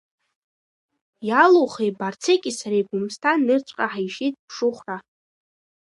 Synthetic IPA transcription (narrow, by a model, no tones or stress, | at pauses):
jaloχejbart͡sʰekʲʼisaɾajɡʷʊmstʰanɨrt͡ʃʷʼqʼaħajʂitʼpʰʂʊχʷra